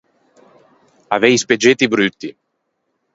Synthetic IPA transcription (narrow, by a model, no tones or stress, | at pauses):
avɛjsped͡ʒet̪ːibɾyt̪ːi